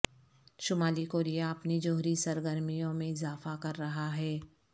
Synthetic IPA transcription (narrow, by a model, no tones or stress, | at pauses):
ʃʊmaːlikoːɾijaɐpnid͡ʒoːɦɾisɐɾɡəɾmijõmẽɪzaːfakɐɾːɐɦaɦɛː